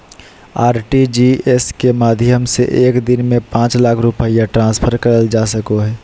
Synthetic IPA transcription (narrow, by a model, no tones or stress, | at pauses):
aːɾʈid͡ʒieskemaːd̪ʱjəmsḛʔeːkd̪ɪnmẽpãːt͡ʃlaːkʰɾupəijaʈɾãːspʰəɾkɐɾəld͡ʒaːsəkoɦɛː